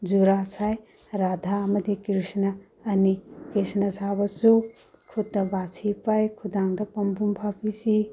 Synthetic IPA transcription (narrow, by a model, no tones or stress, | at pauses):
d͡ʒuɾasaj | ɾad̪ʱamɐd̪ikɾisnɐː | nikɾisnɐsabɐsu | kʰut̪t̪ːɐbasʰipajkʰud̪aŋd̪ɐpɐmbʱumbʱapisi